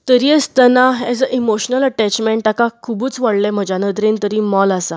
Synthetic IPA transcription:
t̪əɾiest̪ənaɛd͡zəʔimoɕnələʈæt͡ɕmɛ̃ɳʈakakʰubuːt͡sʋaɽlɛ̃m̤əd͡ʑanət̪ɾẽnt̪əɾiːmɔlasa

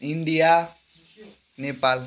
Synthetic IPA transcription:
ĩɳɖija | nepaːl

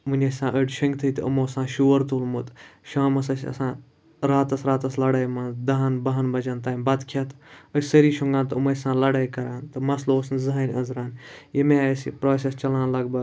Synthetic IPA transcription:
munʲɐsʲsãːʔəʈʃɐŋɡt̪ʰɐit̪ɐ̰moːsãːʃuːəɾt̪ulmut̪ʃaːmɐs̬ɐsʲɐ̰sãː | ɾaːt̪ɐsɾaːt̪ɐslɐɽaːjmɐnd̪ɐɦɐnbɐɦɐnbɐd͡ʒɐːnt̪aːibɐt̪kʰjɐt̪ɐsʲsɐɾiːʃuŋɡãːnt̪umɐsãːlɐɽaːjkɐɾaːnt̪ɨmɐsloːsnzɐɦanʲɐzɾaːnjemẽsḭpɾoːsʲest͡ʃɐlãːnlɐɡbɐ

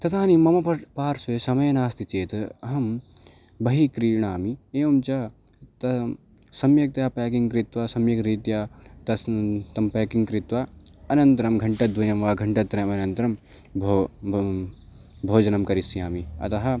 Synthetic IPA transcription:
t̪ɐt̪aːnimɐmɐpɐpaːɾsesɐmɐjɐnaːst̪it͡ʃeːt̪ɐɦɐm | bɐɦikɾiːɳ̃aːmieːʋɐmt͡ʃaː | t̪ɐ | sɐmjɐk̚t̪jaːpɛːkiŋɡkɾɪt̪ʋaːsɐmjɐkɾiːt̪jaːt̪ɐt̪ɐmpeːkiŋɡkɾɪt̪ʋaɐnɐnt̪ɐɾɐmɡʱɐɳʈɐt̪̚d̪ʱunɐmʋaːɡʱɐɳʈɐt̪ːɾɐmɐnɐnt̪ɾɐm | bʱ | bʱoːd͡ʒɐnɐmkɐɾisjaːmiɐ̰t̪ɐɦɐ

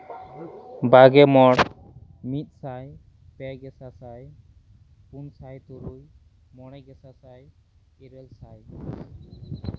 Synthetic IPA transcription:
baɡɛmɔɽ | mit̪̚ˀsaj | pɛɡɛsasaj | punsajt̪uɾuj | mɔɽɛɡɛsasaj | iɾɛlsaj

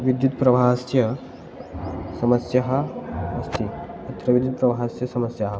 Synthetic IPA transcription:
ʋid̪jut̪pɾɐʋʱasjɐ | sɐməsjɐɦaɐst̪iɐt̪ʰːɾɐʋid̪jut̪̚pɾɐbʱasjɐsɐməsjaɦɐ

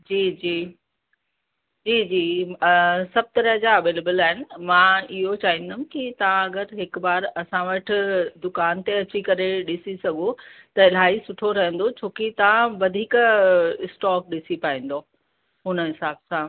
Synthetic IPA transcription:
d͡ʑiːd͡ʑiː | d͡ʑiːd͡ʑiː | sɐb̚t̪ɐɾəɦd͡ʑaɐʋeːlebəlaːɦɪnɪ̆mãːɪɦot͡ɕaːɦĩnd̪am̃kit̪ɐʋãɐɡəɾɦɪkbaːɾɐsãʋɐʈʰɪ̆d̪ʊkaːnt̪eɐt͡ɕikɐɾeɗɪsisɐɡot̪ɐɪl̤aːisʊʈʰoɾɐɦə̃n̆d̪ot͡ɕʰoːkit̪ɐʋãʋɐd̪ʱiːkɪsʈɔːk̚ɗɪsipaːĩːn̆d̪oː | ɦʊnəɦɪsaːbsã

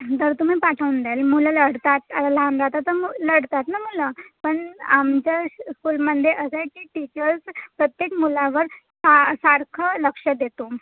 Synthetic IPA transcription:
t̪əɾt̪um̤iːpaʈʰəʋnd̪elmulaləɽt̪at̪atalanɾat̪at̪əmləɽt̪at̪namulapəɳamt͡ɕjaskuːlməd̪ʱjeʔəsekiːʈit͡ɕəɾspɾət̪jekmulaʋəɾ | sasaɾkʰələkʂəd̪et̪o

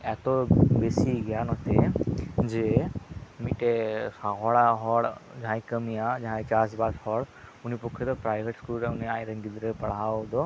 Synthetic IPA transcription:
ɛt̪ɔbesiɡɛjanɔt̪ʰed͡ʒe | miʈɛsaɡɔɽaɦɔɽd͡ʒaɦãjkəmijad͡ʒaɦãjt͡ʃasbashɔɽunipɔkʰːid̪ɔpɾajbʱeʈskulɾɛuniajɾəŋɡid̪ɾɛpəɽ̤awd̪ɔ

